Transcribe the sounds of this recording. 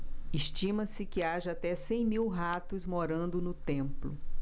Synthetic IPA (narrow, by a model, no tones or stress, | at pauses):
iʃt͡ʃĩmɐsɪkɪaʒɐat̪ɛsẽj̃miwɦat̪ʊzmoɾɐ̃nd̪ʊnʊt̪ẽmplʊ̰